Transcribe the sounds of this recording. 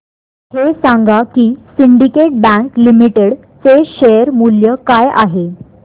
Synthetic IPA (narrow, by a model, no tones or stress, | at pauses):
ɦesaŋɡakiːsiɳɖikeʈ̚bæ̃ŋklimiʈeɽ | t͡seɕejəɾmuljəkajaɦe